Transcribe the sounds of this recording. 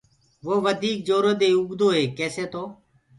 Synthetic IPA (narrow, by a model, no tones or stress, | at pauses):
ʋoːʋəd̪ʱiːk̚d͡ʒoːɾoːd̪eːʊɡd̪oːɦeːkɛːseːt̪oː